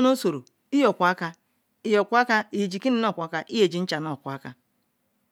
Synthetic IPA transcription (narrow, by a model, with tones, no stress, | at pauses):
no˦so˨ɾo˨ | i˦jɔ˨kʷa˦ka˦ | i˦jɔ˨kʷu˦a˦ka˦i˨d͡ʒi˨ki˦ni˦nɔ˦˨kʷa˦ka˦ʔi˦e˨d͡ʒi˨n̩˦t͡ʃa˨nɔ˨kʷa˦ka˦